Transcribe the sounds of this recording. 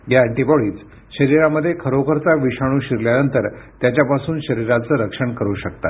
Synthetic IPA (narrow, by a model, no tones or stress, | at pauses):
jaæɳʈibɔɭiːt͡s | ɕəɾiɾaməd̪ʱːjekʰəɾokəɾt͡saʋiɕaɽ̃uːɕiɾljanənt̪əɾt̪jat͡ɕjapasuːnɕəɾiɾat͡səːɾəkʂəɳkəɾuːɕək̚t̪a̰t̪